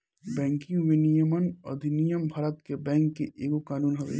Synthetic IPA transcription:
bɛ̃ːŋkĩʋɪnijəmənɐ̰d̪ʱɪnijəmbʱaːɾət̪kebɛ̃ːŋkːeʔeːɡokaːnuːnɦɐʋḛː

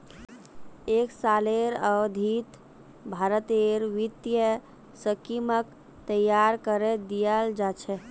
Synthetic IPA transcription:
eksaleɾəʋd̪ʱit̪ | bʱaɾət̪eɾʋit̪jə | səkimək | t̪əjaɾkəɾed̪ijəld͡ʒat͡ʃʰɛ

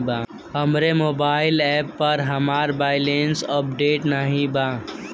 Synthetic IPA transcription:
bã | ɦəmɾemoːbaːɪlɛːpːəɾɦɐmaːɾbaːɪlensəp̚ɖeːʈnaɦĩbãː

